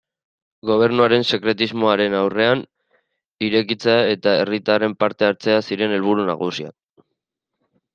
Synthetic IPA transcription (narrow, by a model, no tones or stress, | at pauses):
ɡo̞β̞e̞ɾnuaɾe̞nse̞kɾe̞t̪izmo̞aɾe̞nawre̞an | iɾe̞kit͡seae̞t̪aerit̪are̞mpaɾt̪e̞aɾt͡se̞asiɾe̞ne̞lβ̞uɾuna̰ɣusia̰